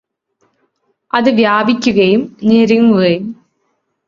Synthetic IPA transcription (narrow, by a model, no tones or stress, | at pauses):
ʔɐðɯʋjaːbɪkʲːɯɣɐjɯmneɾiŋɯɣɐjɯm